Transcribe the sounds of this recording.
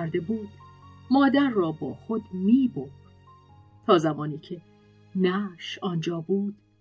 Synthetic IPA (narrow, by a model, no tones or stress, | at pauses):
æɾd̪e̞buːd̪̥mɒːd̪æɾːɒːbɒːxod̪miːboɾd̪ | t̪ʰɒːzæmɒːniːcʰe̞ | næʃɒːnd͡ʒɒːbuːd̪̥